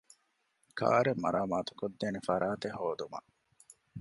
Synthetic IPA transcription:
kʰa̰ːɾemːɐɾaːmaːt̪u̥kod̪ːeːnefɐɾaːt̪eɦoːd̪umɐ̰

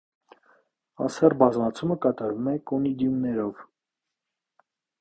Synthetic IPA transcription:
ɑ̰sɛrbɑzmɑt͡sʰuməkɑt̪ɑɾvumɛkɔnid̪jumnɛɾɔv

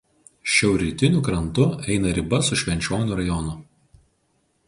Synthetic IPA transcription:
ʃʲɛʊɾʲɪt̪ʲɪnʲʊˑkɾɐnt̪ʊɛɪnɐɾʲɪbɐsʊʃʲʋʲɛnʲt͡ʃʲoːnʲʊˑɾɐjɔnʊ

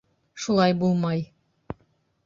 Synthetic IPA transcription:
ʃulˠɑjbulˠmɑj

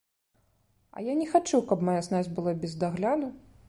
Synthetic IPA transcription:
ɐ̰janʲɛxat͡ʂuwkɐpmajasnazʲbɨlˠabʲɛzd̪aɣlʲad̪u

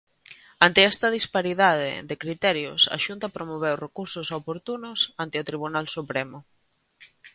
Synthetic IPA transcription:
ant̪ɪɛst̪ɐð̞ispaɾiðaðɪ̰ðekɾit̪ɛɾjʊ̰sɐ̰ʃunt̪ɐpɾomoβ̞ɛwrekuɾsʊsopoɾt̪unʊsant̪ɪʊt̪ɾiβunalsupɾemʊ

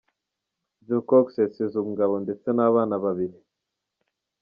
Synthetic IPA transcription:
zokoksesezuŋɡaβondesenaβaːnaβaβiɾi

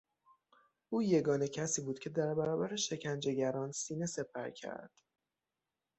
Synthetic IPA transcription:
ʔuːje̞ɡɒːne̞cʰæsiːbuːd̪̚cʰe̞d̪æɾbæɾɒːbæɾeʃe̞cʰænd͡ʒe̞ɟæɾɒːnsiːne̞se̞pʰæ̰ɾcʰæ̰ɾd̪̥

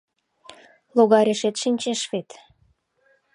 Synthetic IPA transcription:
loɣɑɾʲeʃet̪ʃinʲt͡ɕeʃβet̪

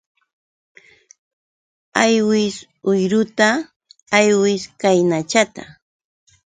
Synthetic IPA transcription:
ajwɪs | ʊjɾʊt̪aː | jwɪskajnat͡ʃat̪a̰

